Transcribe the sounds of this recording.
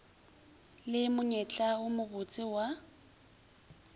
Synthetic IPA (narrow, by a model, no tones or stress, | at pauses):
lɪmʊɲɛt͡ɬʼaʊmʊɣʊt͡sʼɪwa